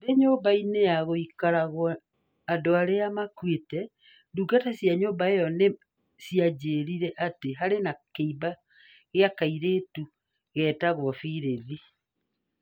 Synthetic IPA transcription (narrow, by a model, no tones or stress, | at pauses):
deɲoːbainejaɣoikaɾaɣwɔ | adoaɾeamakwetɛ | nduɡatasjaɲoːbaejɔne | siad͡ʑeːɾiɾɛʔateɦaɾenakeiba | ɣeakaiɾeːtu | ɣɛːtaɣwɔfiɾeði